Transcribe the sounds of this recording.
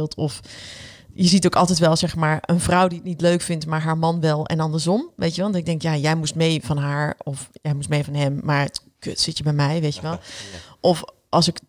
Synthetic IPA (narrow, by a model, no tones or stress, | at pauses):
lˠtʰɔf | jəzitowkɑlˠtɛjtʋɛlˠzɛxmaːɹənvrɔwdiətnitløɥkfɪntmaːɹɦaːɹmɑnʋɛlˠɛ̰nɑndəɹsɔmʋejtjəʋɛlˠdɔtɪɡ̚dɛŋkjaːjɛjmustmejvɑnɦaːɹɔfjɛjmustmejvɑnɦɛmːaɹ | kø̰tsɪtjəbɛjmɛjʋejtjəʋɛlˠʔɔf | ʔɑlˠsɪk